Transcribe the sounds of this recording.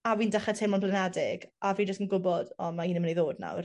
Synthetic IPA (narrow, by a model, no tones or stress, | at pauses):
awiːndaχɛtʰejmɔnplɛnɛdɪɡaviːd͡ʒəstənɡʊbɔdɔmaiːnəməniðoːdna̰wr